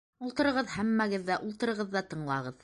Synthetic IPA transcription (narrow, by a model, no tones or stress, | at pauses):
ulˠt̪ɤ̆ɾɤ̆ʁɤðhæmːæɡɘðːæʔulˠt̪ɤ̆ɾɤ̆ʁɤðːɑt̪ɤ̆ɴlˠɑʁɤð